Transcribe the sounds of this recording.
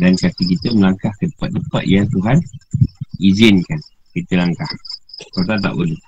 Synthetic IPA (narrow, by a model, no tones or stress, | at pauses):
dankat̪ik̬it̪əməlaŋkahkədəpaʔ̪̚dəpa̰ʔ̪̚jat̪uɦan | izɪnkan | kit̪əlaŋkahkot̪at̪̬a̰ʔbolɪh